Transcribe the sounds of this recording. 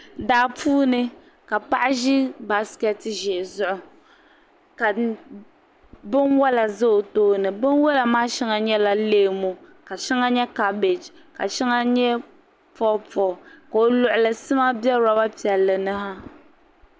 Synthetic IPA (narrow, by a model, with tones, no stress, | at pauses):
daː˨puː˦nɨ˦ | ka˨pa˦ʔa˦ʒi˦ba˦skɛ˦tʒɛ˨zʊ˦ʔʊ˨ | ka˨ | bɨ˦nwɔ˦la˨zɨ˦o˨toː˦nɨ˨bɨ˦n˦wɔ˦la˨maː˦ʃɛ˦ŋa˦ɲɛ˦la˦leː˦˨mo˨ka˨ʃɛ˦ŋa˦ɲɛ˦ka˦be˨d͡ʒ | ka˨ʃɛ˦ŋa˦ɲɛ˦ | fɔ˦pɔ˨ka˨o˨lʊ˨ʔʊ˨lɨ˨sɨ˦ma˦bjɛ˦ɾa˦ba˦pi˨ɛ˨lːɨ˨nɨ˦ɦa˦